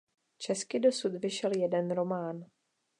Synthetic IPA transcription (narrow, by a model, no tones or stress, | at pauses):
t͡ʃɛskɪdo̞sut̪vɪʃɛljɛdɛnɾo̞maːn